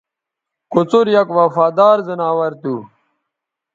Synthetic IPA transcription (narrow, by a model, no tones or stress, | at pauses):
kut͡suɾjɐkwɐfaːd̪aːɾzɐnaːwɐɾt̪u